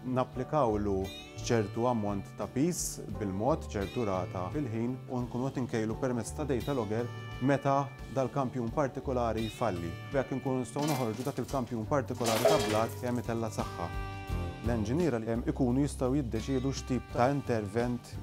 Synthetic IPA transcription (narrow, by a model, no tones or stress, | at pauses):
nɐpːlɪkɐwlu | t͡ʃɛɾt̪uɐmːɔnt̪ːɐpiːsbɪlmɔːt̪t͡ʃɛɾt̪uɾɐːt̪ɐfɪlħiːnuŋkuːnʊʔɛt̪ɪŋkɛjlupɛɾmɛt͡sːt̪ɐd̪ɛjt̪ɐlɔɡɛɾmɛt̪ɐ | d̪ɐːlkɐmpjuːnpɐɾt̪ɪkɔlɐːɾijfɐlːḭbɛkːɪŋkuːnunɪst̪ɐwnɔħɔɾd͡ʒud̪ɐːkɪlkɐmpjuːnpɐɾt̪ɪkɔlɐːɾit̪ɐblɐːt̪kɛmːɪt̪ɛlːɐsɐħːɐ̰ | lɛnd͡ʒɪniːɾɐɪkuːnujɪst̪ɐwjɪd̪ːɛt͡ʃɪːd̪uʃt̪iːp̚t̪ɐɐɪnt̪ɛɾvɛnt̪